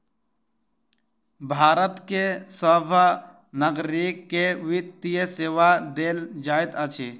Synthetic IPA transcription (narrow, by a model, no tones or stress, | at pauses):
bʱaːɾət̪kesəbʱa | nəɡɾikːeʋɪt̪ijəseːʋad̪eːld͡ʒaːit̪ət͡ʃʰi